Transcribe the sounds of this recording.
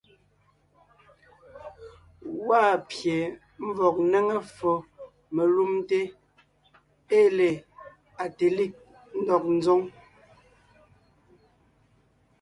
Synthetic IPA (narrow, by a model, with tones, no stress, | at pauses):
waː˦˨pje˨ | m̩˦vɔ˨k̚ne˦ŋe˦fɔ˨ | me˨lu˦mte˦ | e˦le˨ | a˨te˨li˦˨k̚ | n̩˦dɔ˨k̚n̩˦zɔ˦ŋ